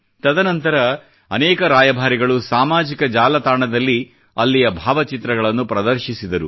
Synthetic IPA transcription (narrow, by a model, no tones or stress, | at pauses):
t̪ɐd̪ɐnɐnt̪ɐɾɐ | ɐnɛːkɐɾaːjɐbʱaːɾiɡɐɭusaːmaːd͡ʒikɐd͡ʒaːlɐt̪aːɳɐd̪ɐlːi | ɐlːijɐbʱaːʋɐt͡ʃit̪ɾɐɡɐɭɐnːupɾɐd̪ɐɾʃisid̪ɐɾu